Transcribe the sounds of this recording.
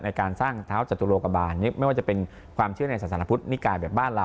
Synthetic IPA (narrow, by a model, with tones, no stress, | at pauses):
na˧jkaː˧nsaː˥˩ŋt̪ʰaː˦˥wt͡ɕa˨˩t̪ːu˧loː˧ka˧baː˧nːi˦˥ma˥˩jwaː˥˩t͡ɕa˨pe˧n | kʰwaː˧mt͡ɕʰɯ˥˩əna˧jsaː˨˩˦t̪ʰa˨˦a˧pʰu˦˥t̪̚ni˦˥kaː˧jbɛː˨˩p̚baː˥˩nɾa˧